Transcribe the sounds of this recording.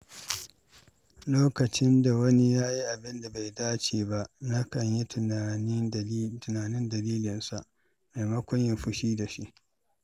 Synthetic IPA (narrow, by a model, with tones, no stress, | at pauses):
loː˦kɐ˨t͡ʃɪ˦nda˨wɐ˦ni˦jaː˦ji˦ʔa˨bɪ˦nda˨ba˨jdaː˦t͡ʃeː˨ba˦ʔna˦kɐ˨ɲji˦˨˦ | tʊ˨naː˨nɪ˦ndɐ˨liː˦lɪ˨nsa˨ʔ | ma˨jmɐ˦kʷʊ˦ɲjɐ˨ɸʊ˦ʃiː˦da˨ʃi˦ʔ